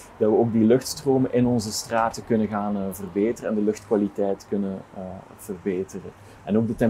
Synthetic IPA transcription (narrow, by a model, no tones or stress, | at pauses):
d̥ɑtwʋəoːɡ̚dilɵxtstroːməʔɪnɔnzəstraːtəkɵnəɣaːnvərbeːtərəɛndəlɵxtkwalitɛjtkɵnən | v̥ərbeːtərə | ɛnoːɡ̚dətɛm